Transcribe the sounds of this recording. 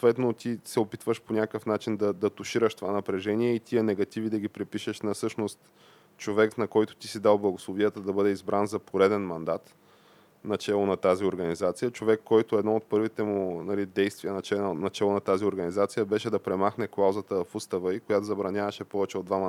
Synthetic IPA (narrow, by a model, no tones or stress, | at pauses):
ot̪vɛt̪not̪isɛopit̪vəʃponʲakəfnat͡ʃind̪ɐd̪ɐt̪ʊʃiɾəʃt̪ovanɐpɾɛʒɛniɛit̪iɛnɛɡɐt̪ivid̪ɐɡ̟ipɾipiʃɛʃnɐfsɤʃnost̪ | t͡ʃovɛknɐkɔjt̪ʊ̥t̪isid̪alˠblˠɐɡʊslˠoviət̪əd̪ɐbɤd̪ɛizbɾanzɐpʰoɾɛd̪ɛnmɐnd̪at̪ | nɐt͡ʃɛlˠonɐt̪azioɾɡənizat̪sijət͡ʃovɛkːɔjt̪oɛd̪nɔot̪̚pɤɾvit̪ɛmunɐlid̪ɛjst̪viənɐt͡ʃɛnɐt͡ʃɛlˠonɐt̪azioɾɡɐnizat̪sijəbɛʃɛd̪ɐpɾɛmaxnɛklˠawzət̪əfust̪əvəikojat̪ozɐbɾɐnʲavɐʃɛpɔvɛt͡ʃɛod̪vam